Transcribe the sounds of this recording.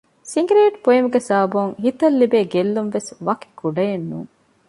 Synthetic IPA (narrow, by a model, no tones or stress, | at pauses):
siŋɡɾeːʈpoimuɡesaːɐbuŋhit̪ɐlːibeːɡelːumʋesʋɐki̥kuɖɐjenːṵːŋ